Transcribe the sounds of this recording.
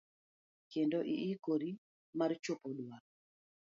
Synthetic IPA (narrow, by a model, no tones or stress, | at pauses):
kendoʔiʔːkoɾi | mart͡ʃopoɗwa